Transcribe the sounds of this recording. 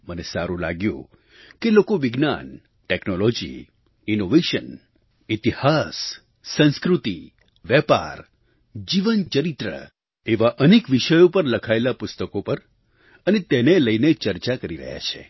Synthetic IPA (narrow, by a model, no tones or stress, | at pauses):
mənesaɾũla̰ɡjṵ̃ | kelokoʋɪɡna̰n | ʈeknolod͡ʒḭ | inoʋeʃən | it̪ihasː | ə̃nskɾut̪i | ʋɛpa̰ɾ | d͡ʒiʋənt͡ʃəɾit̪ɾə̰ | eʋaʔənekʋiʃəjopəɾləkʰaelapʊst̪əkopəɾ | ənet̪eneləinet͡ʃəɾt͡ʃakəɾiɾə̰ɦja̰t͡ʃʰḛ